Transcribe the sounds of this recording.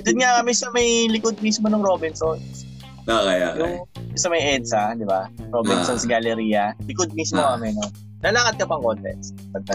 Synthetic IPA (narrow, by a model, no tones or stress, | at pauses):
d͡ʒ̪ʊnŋakɐmɛsɐmɐjlɪkod̪̚miːsmonɐŋɾoːbɪnsons | akɐja̰ʔjʊŋsɐmɐjʔɛd̪sɐd̪ɪbaɾobɪnsonsɡɐlɛɾiːjɐlɪkod̪̚mismokɐmɛno | nɐlaːkɐt̪̚kɐpɐŋkont̪ɛ̰ns | pɐɡ̪̚ɐ